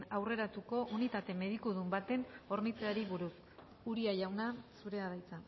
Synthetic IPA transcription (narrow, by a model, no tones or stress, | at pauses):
awre̞ɾat̪uko̞ʔunit̪at̪e̞me̞ð̞ikuð̞umbat̪e̞no̞ɾnit͡seaɾiβuɾus | uɾiaʝawnasuɾe̞aβajt͡sa